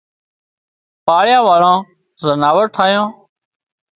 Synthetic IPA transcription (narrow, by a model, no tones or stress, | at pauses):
paːɭjãːʋaːɭãː | zənaːʋəɾʈʰaːjãː